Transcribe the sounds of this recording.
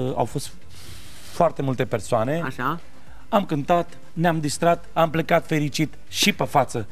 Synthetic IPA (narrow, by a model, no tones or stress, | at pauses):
a̰wfo̞st̪ | foart̪e̞mult̪e̞pe̞rsoane̞aʃa | amkɨnt̪at̪ | neamd̪ist̪ɾat̪amplekat̪fe̞ɾit͡ʃit̪ | ʃipefat̪sə